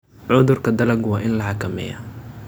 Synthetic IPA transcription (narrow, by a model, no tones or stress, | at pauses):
ʕʊðʊrkʰɐd̪ɐlɐɡwɑːʔɪnlɐħɑkʰɐmɛ̰ːjɐ̰